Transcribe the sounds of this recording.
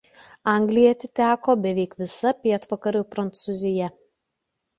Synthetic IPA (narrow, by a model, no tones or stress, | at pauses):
ɐˑŋʲɡlʲɪjɛt̪ʲɪt̪ʲæːkoːbʲɛʋʲɛɪkʋʲɪsɐpʲiɛt̪ʋɐkɐɾʲuːpɾɐnt̪sʊzʲɪjɛ